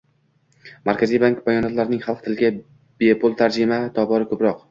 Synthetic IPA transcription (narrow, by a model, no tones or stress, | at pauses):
maɾkʲʰazijbaŋkbajɒnɒt̪laɾɪnɪŋχɑlˠqt̪ʰɪlɡʲa | b̥epʰolˠt̪ʰaɾd͡ʒɪmat̪ʰɒbɒɾɪkʰɵpɾɒq